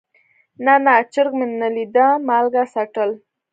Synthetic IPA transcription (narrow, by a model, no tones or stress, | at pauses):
nanat͡ʃəɾɡmɪnːalid̪amalɡasaʈəl